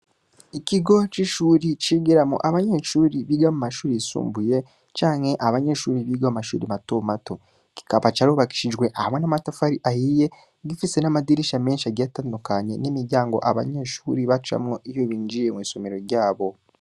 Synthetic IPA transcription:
iciɡo̞t͡ʃiʃuːɾit͡ʃiɡiɾamṵʔaβaɲeːʃuːɾiβiːɡamumaʃuːɾisṵːmbuje̞ | t͡ʃaːŋhe̞ʔaβaɲe̞ːʃuːɾiβiːɡamumaʃṵːɾimatomato̞ | ki̥kaβat͡ʃaɾuːβaki̥ʃiʒɡwe̞ʔahamwe̞namatafaɾiʔahiːje̞ | ɡifise̞namadiɾiʃame̞ːnʃiaɡɟatandukaɲe̞nimiɾɟaːŋɡo̞̰ʔaβa̰ɲe̞ːʃuːɾiβat͡ʃa̰mŋoʔijoβiːɲd͡ʒijemwiːso̞meɾo̞ɾɟaːβo̞

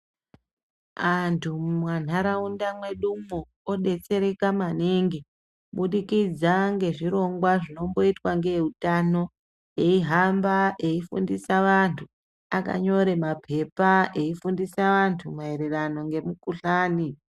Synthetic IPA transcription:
ʋantʰumwan̤aɾaundamwe̞ɗumo | oɗe̞t͡se̞ɾe̞kamaneŋɡe | ɓuɗikid͡zaŋɡe̞ʐiɾo̞ŋɡwaʐino̞mbo̞itwaŋɡeutano̞ | e̞iɦambaʔe̞ifṵndisaʋantʰu | aka̰ɲo̞ɾe̞mapʰe̞pae̞ifundisaʋantʰumaeɾerano̞ŋɡe̞mukuɬaːni

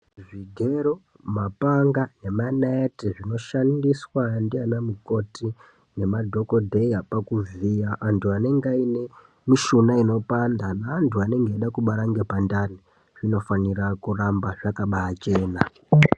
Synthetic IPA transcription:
ʐiɡʱe̞ɾo | mapaŋɡane̞maneetiʐino̞ʃandiswandianamuko̞ti | ne̞madʱo̞ko̞dʱe̞iapakuvijaʔantʰuane̞ŋɡaine̞ | miʃunaino̞pandanaːntʰuane̞ŋɡeːɗakuɓaɾaŋɡe̞pandani | ʐ̥ino̞fanirakurambaʐakaɓaat͡ʃe̞ːna

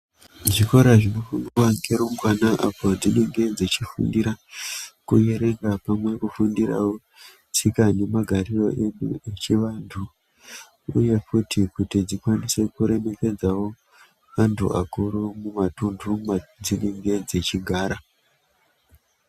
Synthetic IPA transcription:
ʐiko̞ɾaʐino̞funirwaŋɡeɾomɡwanaʔapo̞d͡zine̞ŋɡe̞d͡ze̞t͡ʃifṵndiɾakṵje̞ɾe̞ŋɡapamwe̞kufundira̰wo | sikane̞maɡʱaɾiro̞̰ʔe̞nṵet͡ʃiʋantʰu | ṵje̞futʰikutid͡zikwanise̞kuɾe̞me̞ke̞d͡zawo̞ | mantʰṵa̰kuɾumumatundʱumad͡zine̞ŋɡe̞d͡ze̞t͡ʃiɡʱaːɾa

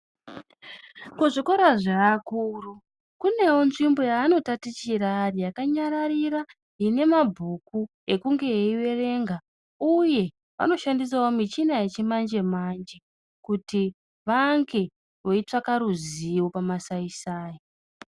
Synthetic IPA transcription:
kuʐiko̞ɾaʐaːkuːru | kune̞wo̞nʐimbo̞jaːno̞tatit͡ʃiɾarijakaɲaɾaɾiɾa | ɦine̞mabʱuku | e̞kuŋɡe̞eiwe̞re̞ŋɡa | uje̞ | ʋa̰no̞ʃandis̬awomit͡ʃinaet͡ʃimand͡ʒe̞mand͡ʒe̞ | kuti | ʋaŋɡe̞ | ʋo̞it͡ʂakaɾuziwo̞pamasaisaːji

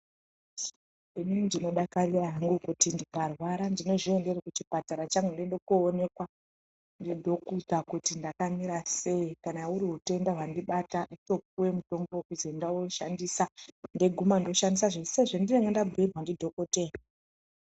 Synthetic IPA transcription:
ininndino̞ɗakariraɦaŋɡukutindikarwaɾandino̞ʐiende̞rekut͡ʃipataɾat͡ʃaŋɡendendokuːne̞kwa | ndidʱo̞kut̪akutindakamiɾase̞ikanauɾiɦute̞ndaɦwandiɓatanito̞p̚uwe̞muto̞mbokuzendaoʃa̰ndisande̞ɡʱumando̞ʃandisaʐe̞se̞ʐendineŋɡendabʱuerwandidʱo̞kote̞

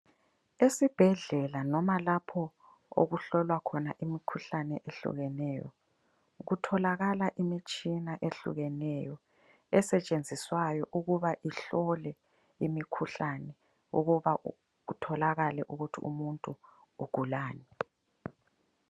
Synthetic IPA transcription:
esib̥ʱɛɮɛlanɔmalapʰɔ | o̰ɣuɬɔlwakʰɔna̰ʔimikʰuɬanɛʔeɬṵɣɛnɛjɔ̰ | ɣutʰɔlaɣalaʔimit͡ʃʼinaʔeɬṵɣɛnɛjɔ | ɛsɛt͡ʃʼend͡zʱiswajɔʔuɣuβaʔiɬɔlɛ | imikʰuɬanɛ | ṵɣuβa | ɣutʰɔlaɣalɛʔuɣutʰḭṵmuntʼuː | ɡ̥ʱulaːnɛ

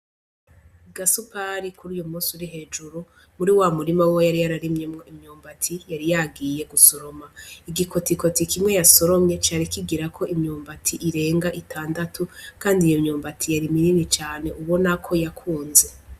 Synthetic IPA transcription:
ɡasupaɾikuɾijomuːsuɾiɦe̞ːd͡ʒuɾu | muɾiwamuɾimawwojaɾijaɾaɾimɲemŋoimɲuːmbatʰijaɾijaɡije̞ɡuso̞ɾo̞maiɡikotiko̞tikʰimŋe̞jaso̞ɾo̞mɲe̞t͡ʃaːɾikiɡiɾakʰo̞imɲuːmbatʰiʔiɾe̞ːŋɡaʔitʰaːndatʰukaːndijomɲuːmbatʰijaɾimininit͡ʃaːne̞ʔuβo̞nakʰo̞jakʰuːnze̞

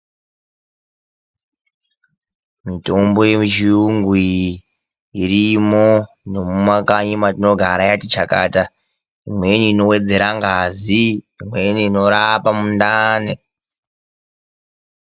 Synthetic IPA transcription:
mito̞mbo̞jet͡ʃiuŋɡi | iɾimo̞ | no̞mumakaɲimatino̞ɡʱaɾajatit͡ʃaka̰ːta | imwe̞niːno̞we̞d͡ze̞ɾaŋɡaziː | mweniːno̞ɾapamundane

